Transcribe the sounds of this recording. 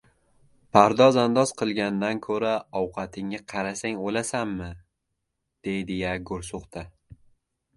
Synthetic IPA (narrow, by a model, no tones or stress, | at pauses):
pʰaɾd̪ɒzand̪ɒz̥qʰɨlˠɡʲand̪ankʰɵɾaɒwqʰɑt̪ʰɪŋːaqʰɑɾasaŋolasamːɪ | d̪̥ejd̪ɪjaɡʊɾsʊqt̪ʰa